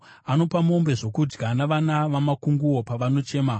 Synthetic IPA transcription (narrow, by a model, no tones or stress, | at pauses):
ano̞pamo̞mbe̞ʐo̞kud͡ʒɡanaʋanaʋamakuŋɡuwo̞paʋano̞t͡ʃe̞ːma